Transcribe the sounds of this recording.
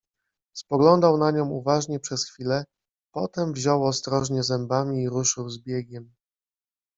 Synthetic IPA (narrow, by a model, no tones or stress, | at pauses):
spɔɡlɔnd̪awnaɲɔ̃w̃uvaʐɲɛpʂɛsxfʲilɛ | pɔt̪ɛmvʑɔwɔst̪ɾɔʐɲɛzɛmbamʲiːɾuʂɘwzbʲjɛɡʲɛm